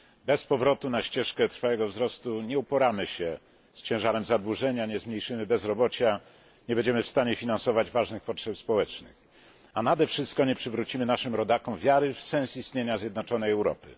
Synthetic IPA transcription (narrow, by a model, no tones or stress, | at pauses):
bɛspɔvɾɔt̪unaɕt͡ɕɛʂkɛt̪ɾfawɛɡɔvzɾɔst̪uɲɛupɔɾamɘɕɛ | st͡ɕɛ̃w̃ʐaɾɛmzad̪wuʐɛɲaɲɛzmɲejʂɘmɘbɛzɾɔbɔt͡ɕa | ɲɛbɛɲd͡ʑɛmɘfst̪aɲɛfʲinansɔvad͡ʑvaʐnɘxpɔtʂɛpspɔwɛt͡ʂnɘ̰x | anad̪ɛfʂɘst̪̚kɔɲɛpʂɘvɾut͡ɕimɘnaʂɘmɾɔd̪akɔ̃m̃vʲjaɾɘfsɛ̃nsist̪ɲeɲazʲjɛd̪nɔt͡ʂɔnɛjɛwɾɔ̰pɘ̰